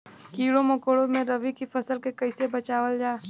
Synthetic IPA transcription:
kiːɽõmɐkoːɽõmẽɾɐʋikifɐsəlkekɐɪsebɐt͡ʃaːʋəld͡ʒaː

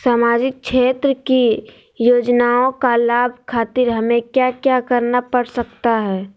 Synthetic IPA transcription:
saːmaːd͡ʒɪk̚ʃʰeːt̪ɾəki | joːd͡ʒnaõkalaːbʱkʰaːt̪ɪɾɦɐmẽkjaːkjakɐɾnapəɽsək̚t̪aɦɛː

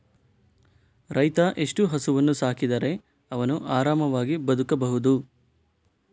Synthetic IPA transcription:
ɾɐjt̪ɐʔeʂʈuɦɐsuʋɐnːusaːkid̪ɐɾe̞ | ɐʋɐnuʔaːɾaːmɐʋaːɡibɐd̪ʱukɐbɐɦud̪u

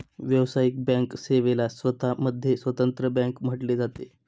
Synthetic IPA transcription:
ʋjəwsajik̚bɛ̃ŋkseʋelasʋət̪ʰaməd̪ʱːjesʋət̪ənt̪ɾəbə̃ŋkm̤əʈled͡zat̪e

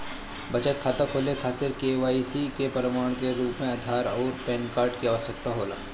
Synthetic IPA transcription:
bɐd͡ʒət̪̚kʰaːt̪akʰoːlekʰaːt̪ɪɾkeːʋaːisikepɐɾɪmaːɽ̃keɾuːpmẽɐd̪ʱaːɾɔːɾpɛːnkaːɾʈkiaɔsək̚t̪aɦoːla̰ː

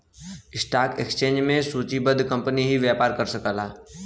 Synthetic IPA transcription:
ɪsʈaːkekst͡ʃẽːɲd͡ʒmẽsuːt͡ʃibəd̪kɐ̃mpəniɦiʋjaːpaːɾkɐɾsɐkəːlaː

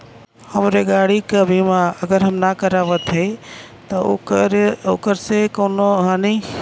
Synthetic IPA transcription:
həmɾeɡaɽikəbʱimaəɡəɾɦəmnakəɾaʋət̪ɦəj | t̪ɔɾokəɾsekoʊnoɦãni

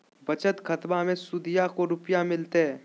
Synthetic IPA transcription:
bət͡ʃət̪kʰɐt̪mamẽsʊd̪ɪjakoɾʊpjamɪlt̪eɦɛː

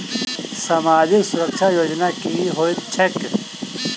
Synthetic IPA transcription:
samaːd͡ʒɪksʊɾəkʃʰajoːd͡ʒnakiɦoːit͡ʃʰek

